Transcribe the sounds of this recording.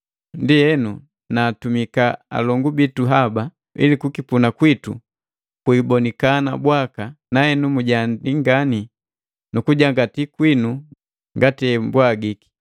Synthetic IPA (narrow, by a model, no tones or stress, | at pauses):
ndiɛnu | naːtumikaa̰lɔŋɡubituɦaba | ḭlikukipunakwitṵ | kuibɔnikana̰bwakanaɛnumuɟandiŋɡani | nukuɟaŋɡatikwinu | ŋɡatiɛmbwaɡiki̥